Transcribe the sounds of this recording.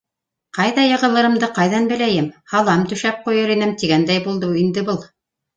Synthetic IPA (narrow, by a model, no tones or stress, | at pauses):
qɑjðɑjɤ̆ʁɤ̆lˠɤ̆ɾɤ̆md̪ɤqɑjðɑnbɘ̆læjɘmhɑlˠɑmt̪ɵ̆ʃæp̚qujɤɾinɘmt̪iɡænd̪æjbulˠd̪ɤind̪ɘbɤlˠ